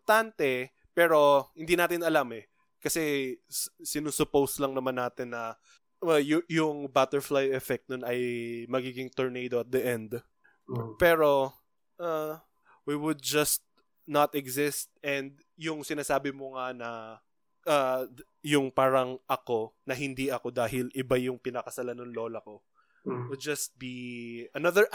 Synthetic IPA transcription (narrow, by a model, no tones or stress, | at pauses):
t̪ant̪ɛ | pɛɾo̞hɪ̃nd̪iːnaːt̪ɪnɐlamɛ | kɐsɛssɪnusʊpowslɐŋnɐmanːaːt̪ɪnːɐ | ajʊjʊŋbat̪ɛɹflajɛfɛk̚t̪̚nonɐjmɐɡiːɡɪŋt̪oɹnejd̪oɐt̪̚d̪ɐʔɛnd̪ | pɛːɾo̞ | ʔa | wiwʊd̪̚d͡ʒɐst̪̚ | nɐt̪ɛɡsɪst̪̚ʔɛnd̪̚ | jʊŋsɪnaːsaːbɪmoŋanɐ | ʔa | jʊŋpaːɾɐŋʔɐko̞nɐɦɪnd̪iʔɐko̞d̪aːɦɪlʔɪbajʊŋpɪnɐkɐsɐlanʊŋlo̞ːlɐko̞ | wʊd̪̚d͡ʒɐst̪̚biʔɐnɐðəɹ